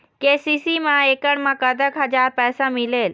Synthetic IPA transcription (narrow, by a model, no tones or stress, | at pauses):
kesisimãeːkəɽmãkəd̪əkɦəd͡ʒaːɾpɛːsamileːl